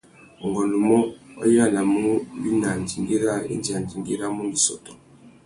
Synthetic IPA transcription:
ɔ˨ŋɡɔ˨nlu˨mɔ˦ɔ̰˦ji˦a˦na˨mu˦bi˦na˨nd͡ʒi˨ŋɡi˦ɾa˦˨ḛ˦nd͡ʒi˨a˨nd͡ʒi˨ŋɡi˦ɾa˦mu˦ndi˨sɔ̰˨tɔ˨

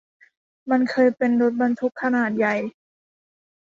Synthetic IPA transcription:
ma˧˥nkʰɤː˧jpe˧ndo˧˦˥t̪̚ba˧nt̪ʰu˦˥kʰːa˧naː˨˩t̪̚ja˨˩j

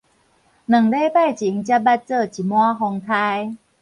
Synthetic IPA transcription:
nɨ˨˩ŋle˦pa˥˨˩jt͡ɕi˨˦ŋt͡ɕja˦˥p̚ba˦t̚t͡sə˥˧˨t͡ɕi˨˩mwa˦ɦɔ˧ŋt̪ʰa˧j

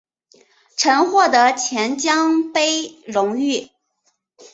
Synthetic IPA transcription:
ʈ͡ʂʰə˧˥nxwɔ˥˩d̪ə˧˥t͡ɕʰjɛ˧˥nt͡ɕjɑ˥ŋpe˥ɪɻʊ˧˥ŋy˥˩

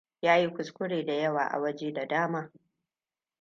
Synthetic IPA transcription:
jaː˦ji˦kʷʊ˨skʷʊ˦ɽeː˨da˨jɐ˦waː˨ʔa̰˨wɐ˦d͡ʒeː˦da˨daː˦maː˦

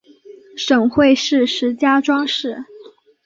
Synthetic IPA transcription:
ʂɤ˨˩ŋxwe˥˧ɪʂɻ̩˥˩ʂɻ̩˧˥t͡ɕja˥ʈ͡ʂwɑ˥ŋʂɻ̩˥˩

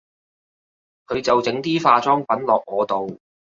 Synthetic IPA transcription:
kʰɵ˨˧ɥt͡sɐ˨wt͡sɪ˨˥ŋt̪iː˥faː˧t͡sɔː˥ŋpɐ˨˥nlɔː˨˩k̚ŋɔː˨˧t̪o˨w

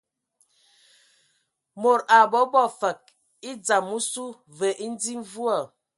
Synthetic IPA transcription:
mo˨ɾa˨bɔ˨˦bɔ˦˨fə˨k̚ | i˦d͡za˨mːu˦su˦ | və˨ʔi˦n˦d͡zi˦m˦vu˦a˨

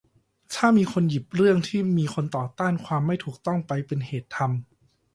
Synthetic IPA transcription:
t̪ʰaː˥˩miː˧kʰo˧nji˨˩p̚ɾɯ˥˩əŋt̪ʰiː˥˩miː˧kʰo˧nt̪ɔː˨˩t̪aː˥˩nkʰwaː˧mːa˥˩jt̪ʰuː˨˩k̚t̪ɔ˥˩ŋpa˧jpe˧nheː˨˩t̪ʰːa˧m

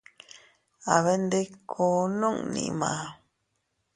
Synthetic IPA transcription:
a˨βe˦nd̪e˦kʰo˨˦nõ˦ŋnḭ̃˧mã̰˨

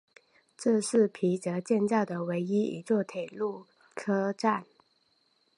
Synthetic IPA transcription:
ʈ͡ʂɤ˥˧ʂɻ̩˥˩pʰi˧˥t͡sɤ˧˥t͡ɕjɛ˥˧nt͡sɑ˥˩ʊd̪ə˩we˧˥ɪi˥ḭ˨˩t͡swɔ˥˩t̪ʰe˨˩ɪlu˥˩ | kʰɤ˥ʈ͡ʂa˥˩n

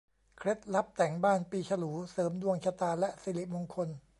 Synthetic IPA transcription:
kʰɾe˦˥t̪̚la˦˥p̚t̪ɛ˩˦ŋbaː˥˩npiː˧t͡ɕʰa˧luː˩˦sɤː˩˦mdu˧əŋt͡ɕʰa˧t̪aː˧lɛ˦˥ʔsiː˨˦li˨˩mo˧nkʰo˧n

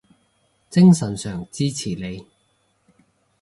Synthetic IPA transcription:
t͡sɪ˥ŋsɐ˨˩nsœː˨˩ŋt͡siː˥t͡sʰiː˨˩le˨˧j

